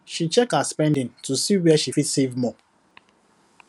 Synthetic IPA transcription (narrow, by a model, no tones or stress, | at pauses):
ʃit͡ʃɛkaspɛ̃ndɪ̃ntusiwɛaʃifitsevmɔ